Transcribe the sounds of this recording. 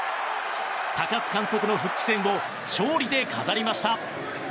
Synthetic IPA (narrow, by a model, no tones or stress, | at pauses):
t̪akat͡sɨ̥kãnt̪o̞kɯ̟no̞ɸɯ̟kʲːi̥sẽ̞mːo̞ | ɕo̞ːɾʲid̪e̞kʰazaɾʲimaɕi̥t̪a